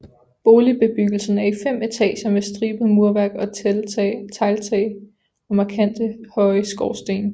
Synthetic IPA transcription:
b̥o̝ːlib̥e̝b̥yɡ̥l̩sn̩æɐifem̰e̝t͡sʰɛ̰ːɕɐʋesd̥ʁiːb̥əmuɐʋæɐɡ̥ɒ̽ | t͡sʰɑ̈ɪlt͡sʰɛ̰ɪ | ɒ̽mɑ̈kʰæn̰d̥əhɒ̽ɪəsɡ̥ɒʊsd̥e̝̰ːn

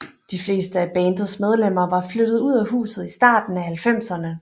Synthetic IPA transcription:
d̥ifle̝̰ːsd̥əæb̥ɛːnd̥ð̩ˠsmeð̞ˠlem̰ɐʋɑ̈flød̥ð̞̩ˠuð̰ˠæɦṵːsð̩ˠisd̥ɑ̰̈ːd̥n̩æhælfem̰sɐnə

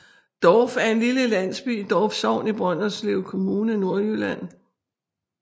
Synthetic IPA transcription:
d̥ɒfæɐe̝nliləlæn̰sb̥y̰ːd̥ɒːfsɒʊ̰nib̥ʁɶn̰ɐsleʊkʰo̝muːnəno̝ɐ̰ylæn̰

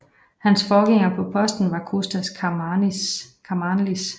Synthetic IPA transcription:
hænsfɒːɡ̥eŋ̰ɐpʰɒ̽pʰɒ̽sd̥n̩ʋɑ̈kʰosd̥æsʰ | kʰɑmɑnlis

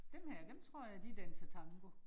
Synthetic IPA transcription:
d̥emhæɐ̰d̥emt͡sʰʁo̝ɐ̰jɑd̥id̥ænsɐt͡sʰɑ̈ŋɡ̥o

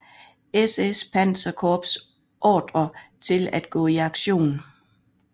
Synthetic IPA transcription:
esespʰæn̰sɐkʰɒːb̥s | ʔɒːd̥ʁɐt͡sʰe̝læd̥̚ɡ̥ɔ̰̽ːiɑ̈ɡ̥ɕo̝̰ːn

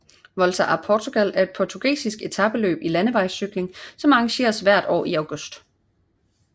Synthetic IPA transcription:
ʋɒ̽lsʰɐʔæpʰɒːt͡sʰuɡ̥ælæɐe̝d̥̚pʰɒːt͡sʰuɡ̥ḛːsisɡ̥e̝t͡sʰɑb̥əlø̰ːb̥ilænəʋɑ̈ɪsyɡ̥le̝ŋsɒ̽mɑɑ̈ŋɕe̝̰ːɐsʋæɐ̰d̥ɒ̰ːiɑʊɡ̥ɔ̽sd̥

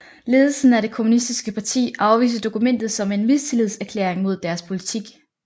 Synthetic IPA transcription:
le̝ːð̞ˠl̩sn̩æɾe̝kʰomunisd̥isɡ̥əpʰɑ̈t͡sʰḭːʔɑ̈ʊʋḭːs̬əd̥o̝kumen̰d̥ð̩ˠsɒ̽me̝nmit͡sʰilið̰ˠsæɐkʰlḛɐeŋmo̝ð̞̰ˠd̥æɐspʰo̝lit͡sʰiɡ̥

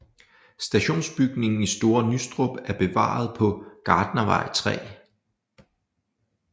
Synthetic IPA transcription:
sd̥æɕo̝̰ːnsb̥yɡ̥ne̝ŋn̩isd̥o̝ːɐnysd̥ʁob̥æɐb̥e̝ʋɑ̰̈ːð̞̩ˠpʰɒ̽ɡ̥ɑ̈ːd̥nɐʋɑ̈ɪ̰t͡sʰʁɛ̰ː

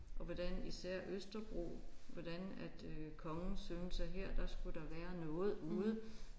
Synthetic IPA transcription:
ʔɒ̽ʋɒd̥ænisæɐ̰ʔøsd̥ɐb̥ʁo̰ːʋɒd̥ænæd̥kʰɒ̽ŋn̩sønsɑɦeɐ̰d̥ɑ̈sɡ̥ud̥ɑ̈ʋæːɐnɔ̽ːð̩ˠuːð̞̩ˠə

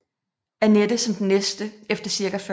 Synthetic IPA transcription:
æɐned̥əsɒ̽md̥ennesd̥əefd̥ɐsiɐɡ̥æf

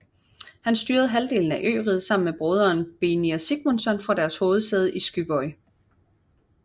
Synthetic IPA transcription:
hænsd̥yːɐð̞̩ˠɦæld̥e̝̰ːln̩æʔø̰ːʁið̞̩ˠsɑ̈m̰n̩meb̥ʁøːð̞ˠɐːnb̥e̝niɐsiɡ̥monsɒ̽nfʁɑ̈d̥æɐsho̝ːð̞̩ˠsd̥eð̞ˠisɡ̥yʋɒɪ

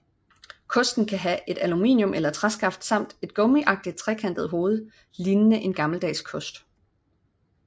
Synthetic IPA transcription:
kʰɔ̽sd̥n̩kʰæɦæʔe̝d̥ælumḭːnjɔ̽mʔelɐt͡sʰʁasɡ̥ɑ̈fd̥sɑ̈m̰d̥e̝d̥ɡ̥ɔ̽miʔɑ̈ɡ̥̚d̥id̥̚t͡sʰʁɛ̰ːkʰænd̥ð̞̩ˠɦo̝ːð̞̩ˠə | liːnənəʔe̝nɡ̥ɑ̈ml̩d̥ɛ̰ːskʰɔ̽sd̥

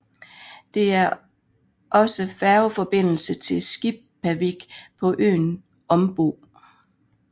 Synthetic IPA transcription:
d̥e̝æɐ | ʔɒ̽səfæʊfɒ̽b̥e̝n̰l̩sət͡sʰe̝lsɡ̥ib̥̚pʰːæʋiɡ̥pʰɒ̽ʔø̰ːn | ɒ̽mb̥o̝̰ː

